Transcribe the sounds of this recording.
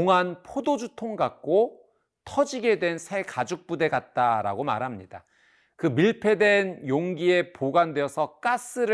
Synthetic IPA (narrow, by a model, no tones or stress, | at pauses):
ŋɦanpʰodod͡ʑutʰoŋɡak̚k͈o | tʰʌd͡ʑiɡe̞dwe̞nsʰe̞kad͡ʑuk̚p͈ude̞ɡat̚t͈aɾa̰ɡoma̰ɾɦamɲida | kɯmiɭpʰe̞dwe̞njoŋɡie̞poɡwandweʌsʰʌk͈as͈ɯɾɯ